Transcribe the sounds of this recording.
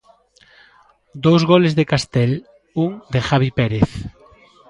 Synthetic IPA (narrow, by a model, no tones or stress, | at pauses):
d̪owzɣolezðekast̪ɛl | uŋd̪exaβipeɾeθ